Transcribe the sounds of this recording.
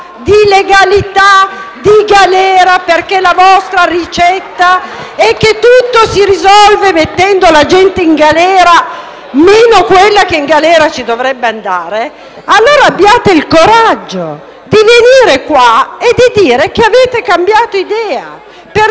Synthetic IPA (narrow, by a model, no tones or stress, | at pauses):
d̪ileɡalit̪ad̪iɡalɛːɾaperkelavɔst̪ɾarit͡ʃɛt̪ːa | ɛk̟ːet̪ːut̪ːosiɾizɔlvemet̪ːɛnd̪olad͡ʒɛnt̪eiŋɡalɛːɾa | meːnokwelːakeiŋɡalɛːɾat͡ʃid̪ovɾɛbːeand̪aːɾe | alːoːɾaabːjaːt̪eilkoɾad͡ʒːo | d̪iveniːɾekwaed̪id̪iːɾek̟eaveːt̪ekambjaːt̪oid̪ɛːa̰ | pe